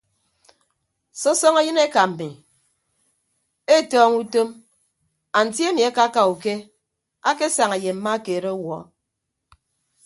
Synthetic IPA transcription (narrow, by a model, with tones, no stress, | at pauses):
sɔ˦sɔ˦ŋa˦jɨ˦ne˦ka˨m̩˨mi˨ | e˦˨tɔː˦ŋu˦to˦m | a˨n̩˨tje˦mi˨a˦ka˦ka˨u˨ke˦ | a˦ke˦sa˨ŋe˨je˨m̩˨ma˦keː˨ɾe˦wɔ˨˦